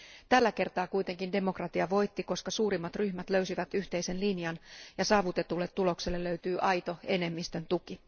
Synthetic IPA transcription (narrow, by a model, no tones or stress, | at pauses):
t̪ælːæke̞rt̪ɑːkujt̪e̞ŋkinde̞mo̞krɑt̪iɑʋo̞jt̪ːiko̞skɑsuːɾimːɑt̪ryçmæt̪lø̞ɥsiʋæt̪yçt̪e̞jse̞nlinjɑnjɑsɑːʋut̪e̞t̪ulːet̪ːulo̞kse̞lːelːøɥt̪yːʔɑjt̪o̞e̞ne̞mːist̪ø̞nt̪uki